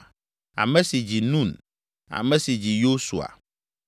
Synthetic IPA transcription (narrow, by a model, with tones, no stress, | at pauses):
a̰˨mɛ̃˦si˨d͡ʑi˨nũ˦˨n | a̰˨mɛ̃˦si˨d͡ʑi˨jo˦su˨a̰˨